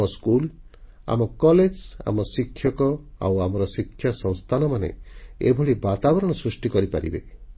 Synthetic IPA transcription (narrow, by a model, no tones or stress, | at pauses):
ɔskul | a̰mɔkɔled͡ʒa̰mɔsikʰːjɔkɔa̰wamɔɾɔsikʰːjasɔŋst̪ʰanɔmanḛḛbʱɔɭibat̪abɔɾɔɽ̃ɔsɾusʈikɔɾipa̰ɾḭbe